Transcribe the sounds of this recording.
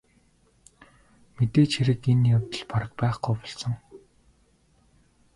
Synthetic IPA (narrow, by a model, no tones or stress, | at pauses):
met̪eːt͡ɕxiɾɘ̆kenjawt̪ə̆ɮpaɾə̆k̚pæːχɡʊːpɔ̥ɮsɞ̆ŋ